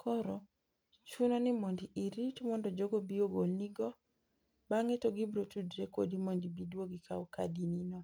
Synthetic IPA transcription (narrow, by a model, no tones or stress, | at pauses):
kʰɔɾɔ | t͡ʃunɔnɪmondiʔiɾitmɔndɔd͡ʒoɡobioɡolniɡɔ | baŋɛtoɡibɾotudɾeko̰dimondibidwoɡikʰa̰ɔka̰dininɔ